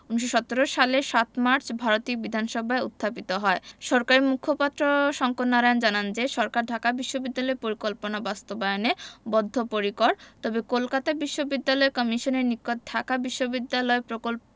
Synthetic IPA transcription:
uniʃ̬oʃɔt̪oɾoʃaleʃat̪maɾt͡ɕbʱaɾot̪iobid̪ʱanʃɔbʱaeṵt̪ʰːapit̪oɦɔeʃɔɾkaɾemukʰopat̪ːɾoʃɔŋkot̪naɾaond͡ʑanand͡ʑeʃɔɾkaɾɖʱakabiʃːobid̪ːalɔepoɾikolponabast̪obajonebɔd̪ʱːopoɾikɔɾt̪ɔbekolkat̪abiʃːobid̪ːalɔekɔmiʃoneɾnikːot̪̚ɖʱakabiʃːobid̪ːalɔepɾokolp

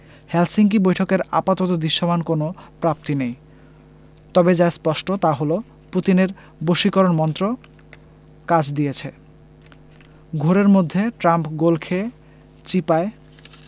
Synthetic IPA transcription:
hɛlsiŋk̬ibojʈʰokeɾapat̪ot̪od̪iʃːomankonopɾap̚t̪inej | t̪ɔbed͡ʑaespɔʃʈot̪aɦolo | put̪ineɾ | boʃikɔɾonmɔnt̪ɾo | kad͡ʑd̪ijet͡ɕʰe | ɡʱoɾeɾmod̪ʱːeʈɾampɡolkʰe | t͡ɕipae

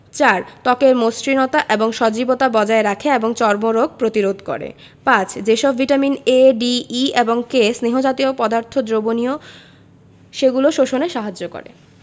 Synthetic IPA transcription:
t͡ɕaɾt̪ɔkeɾmosɾinɔt̪aʔeboŋʃɔd͡ʑibot̪abɔd͡ʑaeɾakʰeeboŋt͡ɕɔɾmoɾoɡ̚ʱpɾot̪iɾod̪ʱko̰ɾḛ | pãt͡ɕʰd͡ʑeʃɔbːiʈamineɖiieboŋkesniɦod͡ʑat̪iopɔd̪aɾt̪ʰod̪ɾobonio | ʃeɡuloʃoʃoneʃaɦad͡ʑːoko̰ɾḛ

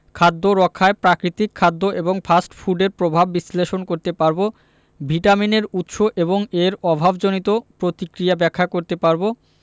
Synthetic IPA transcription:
kʰad̪ːoɾɔkʰːaepɾakɾit̪ikʰːad̪ːoʔeboŋfʰasʈfʰuɖeɾpɾobʱabːisleʃonkoɾt̪epaɾbo | bʱiʈamineɾut̪ʃoʔeβoŋeɾɔbʱabd͡ʑonit̪opɾot̪ikɾijabɛkʰːakoɾt̪epaɾbo

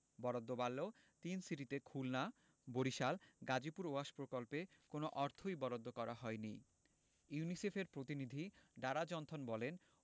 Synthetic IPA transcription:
bɔɾod̪ːobalːo | t̪insiɾit̪ekʰulna | boɾiʃalɡad͡ʑipuɾoaʃpɾokolpekonoʔɔɾt̪ʰojbɔɾod̪ːokɔɾaɦɔenḭ | junisefeɾpɾot̪inid̪ʱiɖaɾad͡ʑɔnt̪ʰonbɔlen

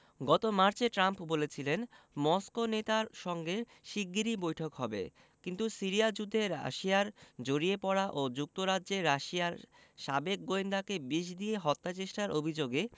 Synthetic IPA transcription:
ɡɔt̪omaɾt͡ɕeʈɾampbolet͡ɕʰilen | mɔskonet̪aɾʃɔŋɡe | ʃiɡːiɾibojʈʰokɦɔbḛ | kint̪usiɾijad͡ʑud̪ʱːeɾa̰ʃiaɾd͡ʑoɾiepɔɽaʔod͡ʑuk̚t̪oɾadʑeɾaʃijaɾ | ʃabek̚ɡoind̪akebiʃ̬d̪ieɦɔt̪ːat͡ɕeʃʈaɾʔobʱid͡ʑoɡe

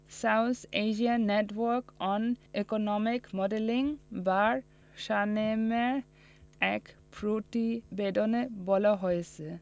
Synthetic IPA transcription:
sawt̪ʰed͡ʑianːeʈwɔɾkɔnekonɔmikmɔɖeliŋbaɾ | ʃanemeɾ | ɛkpɾoʈibedonebɔlaɦojet͡ɕʰe

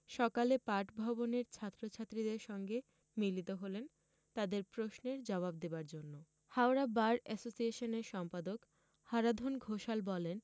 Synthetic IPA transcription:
ʃɔkalepaɾʈbʱɔboneɾt͡ɕʰat̪ːɾot͡ɕʰat̪ːɾid̪eɾʃɔŋɡe | milit̪oɦolen | t̪ad̪eɾpɾosneɾd͡ʑɔβabd̪ebaɾd͡ʑonːo | haoɾabaɾɛsosieʃoneɾʃɔmpad̪ok | haɾad̪ʱonɡʱoʃalbɔlen

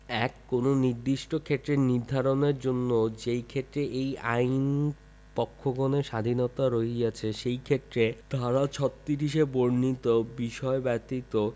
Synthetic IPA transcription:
ɛkːononiɾd̪iʃʈokʰet̪ːɾeniɾd̪ʱaɾoneɾd͡ʑonːod͡ʑejkʰet̪ɾeʔejajn | pɔkʰːoɡɔneʃad̪ʱinot̪aɾoɦiat͡ɕʰeʃejkʰet̪ːɾed̪̥ʱaɾat͡ɕʰɔt̪ːiɾiʃeboɾnit̪obiʃɔebɛt̪it̪o

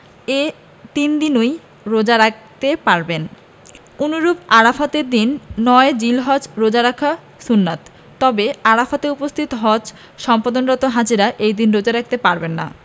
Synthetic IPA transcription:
e | t̪ind̪inoj | ɾod͡ʑaɾak̚ʰt̪epaɾben | unuɾubaɾafat̪eɾd̪inːɔed͡ʑilɦɔd͡ʑɾod͡ʑaɾakʰa | sunːat̪ː | ɔbeaɾafat̪eupost̪ʰit̪oɦɔd͡ʑ | ʃɔmpad̪onɾɔt̪oɦad͡ʑiɾaʔejd̪inɾod͡ʑaɾak̚ʰt̪epaɾbenːa̰

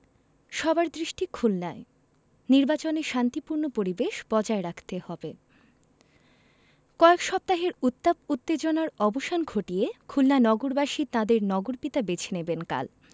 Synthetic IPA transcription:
ʃɔbaɾd̪ɾiʃʈikʰulnae | niɾbat͡ɕoneʃant̪ipuɾnopoɾibeʃbɔd͡ʑaeɾakʰt̪ehɔbe | kɔekʃɔp̚t̪aɦeɾut̪ːabut̪ːed͡ʑonaɾɔboʃanɡʱoʈiekʰulnanɔɡoɾbaʃit̪ãd̪eɾnɔɡoɾpit̪abet͡ɕʰenebenka̰l

